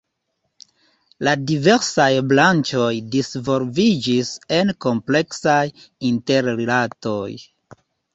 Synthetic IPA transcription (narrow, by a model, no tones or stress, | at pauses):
ladive̞ɾsajblant͡ʃo̞jdisvo̞lvid͡ʒise̞nko̞mple̞ksaj | inte̞ɾɾelato̞j